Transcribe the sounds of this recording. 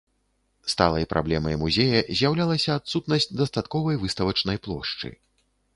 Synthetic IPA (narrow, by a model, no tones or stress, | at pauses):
st̪a̰lˠɐjpɾʔa̰blʲɛmɐjmuzʲejɐzʲjawlʲalˠɐsʲɐːt̪sut̪nɐsʲt͡sʲd̪ɐst̪at̪kɔvɐjvɨst̪ɐvɐt͡ʂnɐjplˠɔ̰ʂt͡ʂɨ̰